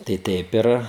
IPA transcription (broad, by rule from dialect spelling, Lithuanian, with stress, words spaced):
tɐɪ ˈtʲɛɪp ɪr